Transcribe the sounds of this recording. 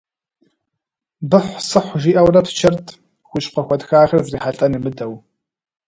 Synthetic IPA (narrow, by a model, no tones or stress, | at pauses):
bɨħʷsɨħʷʒiːʔɐwrɐpt͡ʃʰɐrtʰ | xʷʊʃʼqɐxʷɔdxaːxɐrzriːħaɬʼɐnɨmɨdɐw